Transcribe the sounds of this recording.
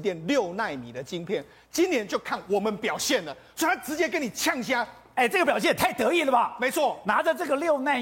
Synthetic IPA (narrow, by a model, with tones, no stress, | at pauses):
t̪jɛ˥˨nljo˥˨ʊna˥˩ɪmi˨˩d̪ə˦t͡ɕi˦ŋpʰjɛ˥˩n | t͡ɕi˥˦nnjɛ˧˦nt͡ɕjo˥˧ʊkʰa˥˩nwɔ˨˩mə˦npjɑ˨˩ʊɕjɛ˥˩nd̪ə˩swɔ˧˥i˨˩t̪ʰa˥ʈ͡ʂɻ̩˧˥t͡ɕjɛ˥k̬ə˦˥ni˨˩t͡ɕʰjɑ˥˩ŋɕ̬ja˥ | e˥˩ɪʈ͡ʂɤ˥˩ɡə˩pjɑ˨˩ʊɕjɛ˥˨nt̪ʰa˥˩ɪt̪ɤ˧˥i˥˩lə˨˩bɐ˨˩me˧˥ɪt͡sʰwɔ˥˩na˧˥ʈ͡ʂə˧ʈ͡ʂɤ˥˩ɡə˩ljo˥˧ʊna˥˩ɪ